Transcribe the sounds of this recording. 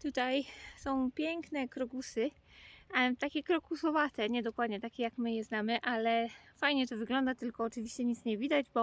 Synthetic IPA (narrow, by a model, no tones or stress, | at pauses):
t̪ut̪ajsɔ̃w̃pʲjɛŋknɛkɾɔɡusɘ | t̪akʲɛkɾɔkusɔvat̪ɛɲɛd̪ɔkwad̪ɲɛt̪akʲɛjakmɘjɛznamɘʔalɛfajɲɛt̪ɔvɘɡlɔnd̪at̪ɘlkɔːt͡ʂɘvʲiɕt͡ɕɛɲit̪sɲɛvʲid̪ad͡ʑbɔ